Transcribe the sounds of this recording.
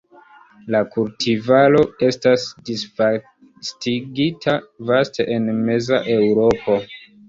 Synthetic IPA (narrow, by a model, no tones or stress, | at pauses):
lakultʰivalo̞e̞stasdisfa | stiɡitʰavaste̞̰ʔenme̞za̰ʔe̞wɾo̞po̞